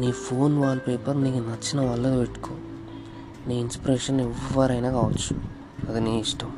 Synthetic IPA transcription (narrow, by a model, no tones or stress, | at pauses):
niːpʰoːnʋaːlpeːpɐɾniːkunɐt͡ʃːinɐʋɐɭːɐt̪ːpeʈːu̥kʰoː | niːinspiɾeːʂɐnɛʋːɐɾɐjnaːkaːʋɐt͡ʃːu̥ | ɐd̪eniːiʂʈɐm